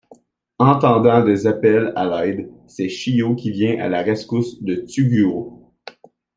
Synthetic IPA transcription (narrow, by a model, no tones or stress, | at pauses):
ɑ̃t̪ɑ̃d̪ɑ̃d̪ezapɛlalãɪd̪sɛʃijokʲivjɛ̃ʔa̰laʁaskʊsd̪ət̪yɡʲyo